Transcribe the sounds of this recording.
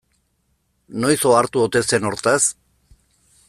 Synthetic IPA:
no̞jsoaɾt̪uot̪ese̞no̞ɾt̪as

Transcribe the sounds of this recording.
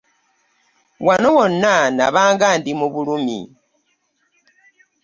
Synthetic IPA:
wanowonanaβaːŋɡaːndimuβulumḭ

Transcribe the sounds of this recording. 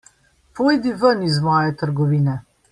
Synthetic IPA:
poːjd̪iʋənizmɔːjɛt̪əɾɡɔʋiːnɛ

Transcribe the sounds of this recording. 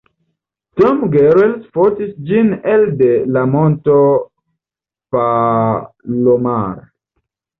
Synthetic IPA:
tɔmɡeɾelsfotisd͡ʒineldelamonto | pa | lomaɾ

